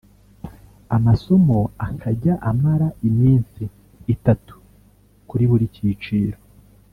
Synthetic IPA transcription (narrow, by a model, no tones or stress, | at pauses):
amaso̞moakʰaɟaʔamaɾaimiːnsiː | tatu̥ | kuɾiβuɾiciːt͡ʃiːɾo